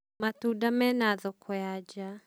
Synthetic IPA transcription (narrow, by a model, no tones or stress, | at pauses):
matudamɛnaðɔkʰɔjad͡ʒa